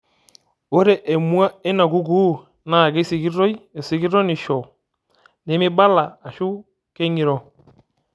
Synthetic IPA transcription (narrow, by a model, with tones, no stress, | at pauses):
o˦ɾe˨ʔe˨mu˦a˦e˦na˨ɡu˦ɡuː˦˨ | na˨ɡe˦si˨ɡi˦ɾo˦je˨si˨ɡi˦ɾo˦nɪ˨ʃɔ˨ | ne˨mɪ˦ba˦laː˨ʃu˦ | ke˦ɲi˨ɾo˨